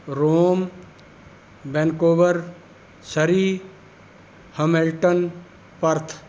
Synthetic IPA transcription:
ɾoːm | benkoːbəɾ | səɾiː | hɐmelʈən | pɐɾt̪ʰ

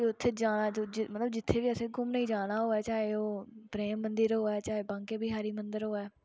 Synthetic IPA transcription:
iʊt̪ʰːeːd͡ʒaːnaːmət̪ləbd͡ʒɪt̪ʰːeːʋiːəseɡʊmnəĩːd͡ʒaːɽ̃aːɦoːɛːt͡ʃaːɦeːoːpɾeːmːənd̪əɾɦoːɛːt͡ʃaːɦeːbãːŋkeːbiɦaːɾiːmənd̪əɾɦoːɛː

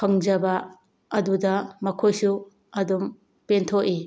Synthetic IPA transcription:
pʰɐŋd͡ʒɐbɐ | ɐdudɐmɐkʰojsu | ɐdum | pentʰoʔi

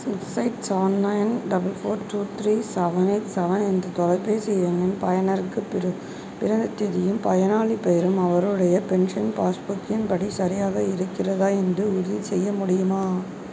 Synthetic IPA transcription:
sɪʈsɐɪʈsɐʋɐnːɐjnɖɐbɐlfoːɾʈuːt̪ɾiːsɐʋɐnɐɪʈsɐʋɐnɛndrɯt̪ɔlɐɪpːeːsɛjʋɐnɪnpɐjɐnɐɾkːɯ | pɪɾɐnd̪ɐt̪ːɛðɪjɯmpɐjɐnaːɭipeɾɯmɐʋɐɾɯɽɐjɐpɛɳʂɐnpaːsbʊkːɪnpɐɽisɐɾɪjaːɣɐɪɾɯkːɪrɐðaːɛndrɯʊɾðit͡ʃɛjːɐmʊɽɪjɯmaː

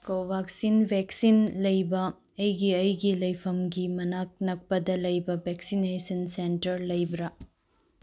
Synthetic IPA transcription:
kobʱak̚sinbʱeksinlɐjbɐː | jɡiɐjɡilɐjpʰɐmɡimɐnak̚nɐk̚pɐdɐlɐjbɐbʱeksinesɐnsentɐɾlɐjbɾɐ

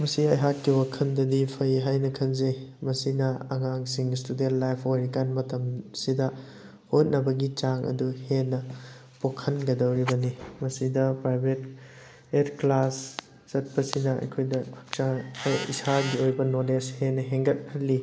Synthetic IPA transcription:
mɐsiɐjɦakːiwɐkʰɐndɐdipʰɐjɦajnɐkʰɐnzejmɐsinɐɐ̰ŋaŋsiŋstudentlajpʰojɾikanmɐtɐmsidɐ | hot̚nɐbɐɡit͡ʃaŋʔɐ̰duhenːɐ | pokʰɐnɡɐdɐwɾibɐnimɐsidɐpɾajbʱet̚ | eɾklasː | ɐt̚pɐsinɐɐ̰jkʰojdɐpʰɐ̥k̚t͡ʃaḭsaɡiojbɐnoled͡ʒhenːɐɦeŋɡɐt̚kʰɐlːi

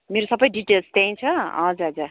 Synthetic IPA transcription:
meɾosʌbʌjɖiʈelst̪jãj̃t͡sʰʌʌ̰d͡zaɦʌd͡za

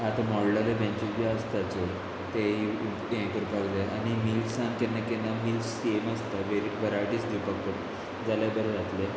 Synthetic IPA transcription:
ɦat̪amɔɽlalebẽɲt͡ɕusbiast̪at͡soɾ | t̪eɦi | ẽkəɾpaɡleañimilsankenːakenːamilsemast̪aʋeɾiʈbʱəɾajʈisd̪ipakːəɾ | d͡zalabəɾd͡zat̪le

